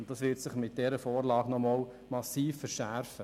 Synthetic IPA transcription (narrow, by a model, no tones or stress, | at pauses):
ʊnt̚dɑsʋɪɾtsɪχmɪt̚d̥ɛɾəfɔːɾlɑːɡnɔmɔːl | mɑsiːfːəɾʃæɾfə